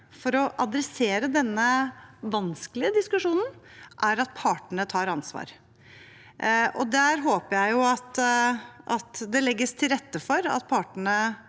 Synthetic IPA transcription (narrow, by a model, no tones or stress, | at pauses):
fɔɾɔʔɑd̪ɾɛseːɾəd̪ɛnːəʋɑnsklɪəd̪ɪskʉʂuːnn̩ʔæɾɑt̪̚pʰɑːʈəɳət̪ʰɑːɾɑnsʋɑ̰ːɾ | ʔɔd̪æːɾɦoːpəjæɪjʊɑt̪ | ʔɑt̪d̪ɛlɛɡːəst̪ʰɪlɾɛt̪ːəfɔɾɑ̰t̪̚pʰɑːʈəɳə